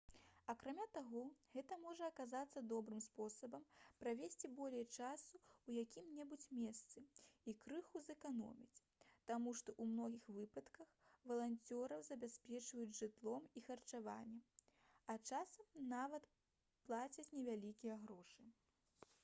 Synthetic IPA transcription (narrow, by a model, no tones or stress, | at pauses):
ɐkɾamʲat̪aɣɔɣɛt̪ɐmɔʐɐːkazat̪sːɐd̪ɔbɾɨmspɔsɐbɐmpɾavʲesʲt͡sʲibɔlʲɛjt͡ʂasuwjakʲʰimnʲɛbut͡sʲmʲɛst̪sɨikɾɨxuzɛkanɔ̰mʲit͡sʲ | t̪amuʂt̪ɔʔumnɔɣʲixvɨpɐt̪kɐxvɐlˠanʲt͡sʲɔɾɐwzɐbʲasʲpʲɛt͡ʂvɐjud͡zʲʐɨt̪lˠɔmixɐrt͡ʂava̰nʲːɛɐt͡ʂasɐmnavɐt̪ | plˠat͡sʲɐt͡sʲnʲɛvʲalʲikʲijɛɣɾɔʂɨ